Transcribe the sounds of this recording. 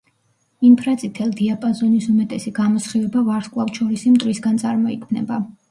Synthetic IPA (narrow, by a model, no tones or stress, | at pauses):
impʰɾasʼit̪ʰɛlˠd̪iapʼazɔnisumɛt̪ʼɛsiɡamɔsχivɛbavaɾskʼlˠafʃɔɾisimt̪ʼɾisɡansʼaɾmɔikʰvnɛ̰ba